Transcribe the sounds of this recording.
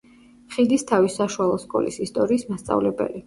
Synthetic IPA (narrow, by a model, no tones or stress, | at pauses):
χid̪ist̪ʰavisaʃualˠɔskʼɔ̰lḭsist̪ʼɔɾiːsmast̪sʼa̰vlɛbɛ̰li